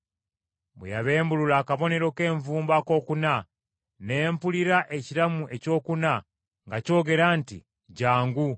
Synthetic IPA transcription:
bwḛjaβeːmbululaːkaβo̞ne̞ɾo̞ke̞ːɱvuːmbako̞ːkuna | ne̞ːmpuliɾaʔe̞ciɾamuʔe̞co̞ːkuna | ŋɡaco̞ːɡe̞ɾantḭ | ɟaːŋɡu

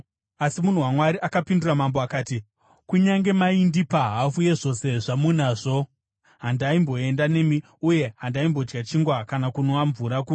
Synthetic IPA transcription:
asimun̤uwamwaɾiʔakapinduramamboakaːti | kuɲaŋɡe̞maindipaɦafuje̞ʐo̞se̞ʐamunaːʐo | ɦandaimbo̞e̞ndane̞mi | uje̞ɦandaimbo̞d͡ʒɡat͡ʃiŋɡwakanakunoaɱvuɾaku

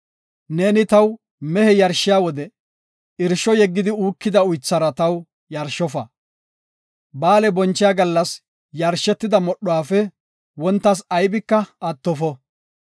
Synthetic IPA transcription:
ne̞ːnɪt̪ɐw | mɛhɛjɐɾʃːɪjaːwɔd̪ɛ | ɪɾʃɔjɛɡːɪd̪ɪuːkːɪd̪ɐʊjt͡sːɐɾɐt̪ɐw | jɐɾʃːɔfɐ | baːlɛbɔnt͡ʃːɪjaɡɐlːɐs | jɐɾʃɛt̪ːɪd̪ɐmɔɗɔwaːfɛ | wɔnt̪ːɐs̬ɐjbɪkːɐɐt̪ːɔfɔ

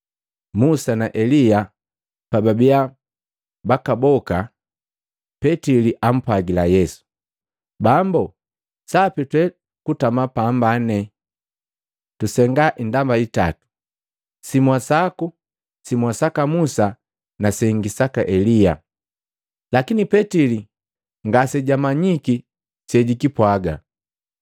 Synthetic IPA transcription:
musanaʔɛlija | pababia | bakabɔka | pɛtiliʔam̩pwaɡilajɛsu̥ | bambɔ | sapitwɛ | kutamapambanɛ | tusɛŋɡaʔindambaita̰tu̥ | simwasaku | simwasakamusa | nasɛŋɡisakaʔɛlija̰ | lakinipɛtili | ŋɡasɛɟamaɲiki | sɛɟikipwaɡa̰

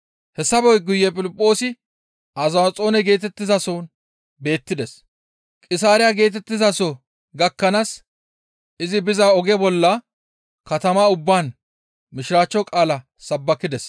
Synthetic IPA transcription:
hɛsːɐbɔjɡʊjːɛpʼɪlɪpʼːo̞ːsɪ | ʔɐzɐt͡sʼo̞ːnɛɡe̞ːt̪ɛt̪ːɪzɐsoːn | be̞ːt̪ːɪd̪ɛs | kʼɪsaːɾɪjaɡe̞ːt̪ɛt̪ːɪzɐsɔ | ɡɐkːɐnas | ɪzɪbɪzaɔɡɛbɔlːɐ | kɐt̪ɐmaʊbːaːn | mɪʃɪɾaːt͡ʃːɔkʼaːlɐ | sɐbːɐkːɪd̪ɛs

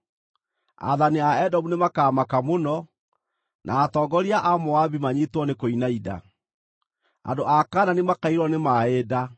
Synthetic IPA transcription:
a̰ðaniaɛdɔmunemakamakamonɔ | nʔa̰ːtɔːɡɔɾiaʔamoaβimaɲitwɔnekoinaida̰ | a̰ndoʔakaːnanimakaiɾɔnemaeda

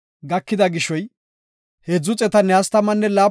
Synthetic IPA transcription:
ɡɐkːɪd̪ɐɡɪʃːɔj | hɛd͡zʊt͡sʼɛt̪ɐnːɛɐst̪ɐmɐnːɛlaː

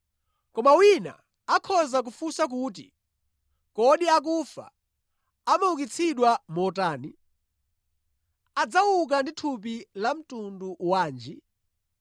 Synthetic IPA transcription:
kɔmawina̰ | akʰɔzak̬ufusak̬uːt̬ḭ | kɔɗiak̬ufa̰ | amawukit͡sʰiɗwamɔtaːni | ad͡zawuk̬anditʰup̬ilam̩tunduwaːnd͡ʒi

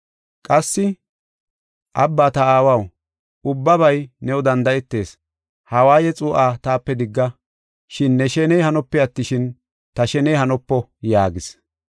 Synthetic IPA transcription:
kʼɐsːɪ | ʔɐbːaːt̪ɐaːwɐw | ʊbːɐβɐjnɛwɔd̪ɐnd̪ɐʔɛt̪ːe̞ːs | hɐwaːjɛt͡sʼʊːʔaːt̪aːpːɛd̪ɪɡːɐ | ʃɪnːɛʃɛnɛjhɐnɔpːɛɐt̪ːɪʃɪn | t̪ɐʃɛnɛjhɐnɔpːɔjaːɡɪs

